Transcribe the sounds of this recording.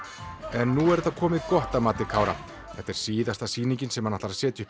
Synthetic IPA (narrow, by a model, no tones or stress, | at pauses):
ɛnːuɛɾɛt̪ːakʰɔːmɪkɔht̪amaːt̪ɪkʰaːwɾa̰ | θɛht̪ːɛɾ̥siːðast̪asiːnĩɲcɪnsɛmhanːaht̪aɾasɛːt̪ʏʏ̥p